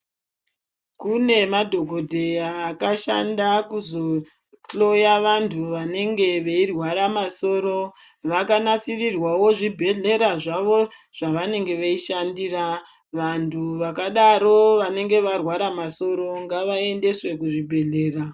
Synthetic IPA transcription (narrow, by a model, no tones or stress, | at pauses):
kune̞madʱoɡʱo̞dʱe̞aːkaʃa̰ndakuzo̞ | ɬo̞jaʋantʰuʋane̞ŋɡe̞ʋeirwaɾamaso̞ːɾo̞ | ʋakanasirirwawo̞ʐibʱe̞ɮe̞ɾaʐaʋo̞ʐ̥aʋane̞ŋɡe̞ʋeiʃandiːra | ʋantʰuʋakaɗaɾo̞ʋane̞ŋɡe̞ʋarwaɾamaso̞ɾo̞ŋɡaʋae̞nde̞swe̞kuʐibʱe̞ɮe̞ːra